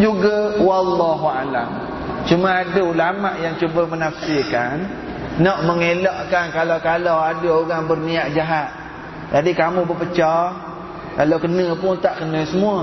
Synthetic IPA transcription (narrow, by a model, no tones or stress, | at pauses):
d͡ʒuɡawalːaɦuala̰m | t͡ʃumaadəulamaʔjaŋt͡ʃubəmənafsɪkanː | ɔʔməŋelɔʔkankalawkalawadəoɣaŋbərmiaʔd͡ʒaɦat̪̚ | d͡ʒadikamũbəpət͡ʃɔ | kalawkənəpʊnt̪aʔkənə̃səmua